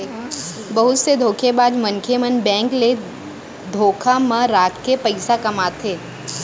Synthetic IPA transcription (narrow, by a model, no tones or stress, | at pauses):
bɐɦʊt̪sed̪ʱoːkʰebaːd͡ʒmənkʰemɐnbɛ̃ːŋkle | d̪ʱoːkʰamãɾaːkʰkepəɪsakɐmaːt̪ʰeː